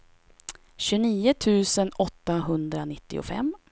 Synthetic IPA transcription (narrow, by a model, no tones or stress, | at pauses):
ɕɵniːət̪ʰʉ̟ːsənɔt̪ːaɦɵnd̪ɾanɪt̪ːɪ̰ʊ̰fɛ̰mː